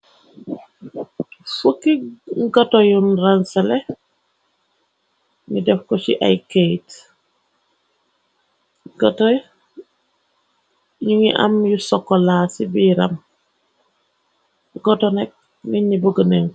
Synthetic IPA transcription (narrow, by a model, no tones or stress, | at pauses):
fukːiɡɔtɔjunransɛlɛ | nidɛfkɔsiʔa̰jkejt | ɡɔtɔj | ɲuŋiʔa̰mjusɔkːɔlaːsibiːɾɐm | ɡɔtɔnɛk̚ | niɲibəɡəneŋ